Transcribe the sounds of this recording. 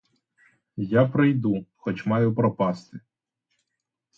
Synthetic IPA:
japɾɪjd̪uxɔt͡ʃmɑjʊpɾɔpɑst̪ɪ

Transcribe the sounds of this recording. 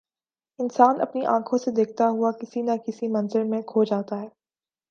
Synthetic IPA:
ɪnsaːnʔɐ̰pniʔã̰ːkʰõsed̪eːk̚t̪aɦuakɪsinakɪsimɐ̃nzəɾmẽkʰoːd͡ʒaːt̪aɦɛː

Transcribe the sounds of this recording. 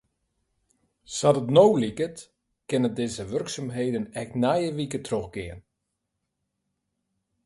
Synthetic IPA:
sɑdətnowlikət | kɪnədeːzəʋørksamɦejdənɛxtnɛjəʋikətroxɡɪən

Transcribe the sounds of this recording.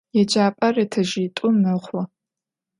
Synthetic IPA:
jɛd͡ʒaːpʼɐrɐtʰɐʒiːtʼʊmnɐχʷɔ

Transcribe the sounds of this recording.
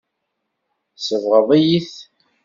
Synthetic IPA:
səvʁəðˤæjiθ

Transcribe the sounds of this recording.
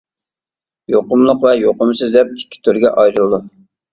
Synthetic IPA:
joqʊmlˠʊqvɛjoqʊmsɨzd̪ɛp̚ikʲːi̥t̪ʰyɾɡʲɛ̰ʔɑjɾɨlˠd̪u

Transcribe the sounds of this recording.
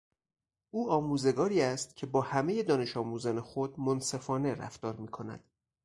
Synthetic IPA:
ʔuːɒːmuːze̞ɡɒːɾiːæst̪̚cʰe̞bɒːhæmeje̞d̪ɒːne̞ʃɒːmuːzænexo̞d̪monse̞fɒːne̞ɾæ̰ft̪ɒːɾmiːkʰo̞næ̰d̪̥

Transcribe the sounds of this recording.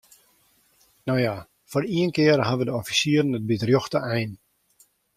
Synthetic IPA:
nowja | fɔriənkɪərɦaʋədəɔfisiəɾən̩ət̚bitrjoxtəʔɛjn

